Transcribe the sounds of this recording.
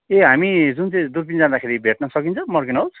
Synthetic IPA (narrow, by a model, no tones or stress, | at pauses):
eɦamid͡zunt͡sʌ̃d̪uɾpind͡zãd̪akʰeɾibʱeʈnʌsʌkint͡sʰʌmʌrɡinowt͡s